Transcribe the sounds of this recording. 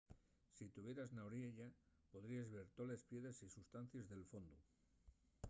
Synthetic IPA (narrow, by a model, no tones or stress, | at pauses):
sit̪uβje̞ɾaznawɾjeʎa | po̞ðɾiazβe̞ɾt̪ole̞spje̞ðesisust̪an̟θjezðe̞lfo̞nd̪u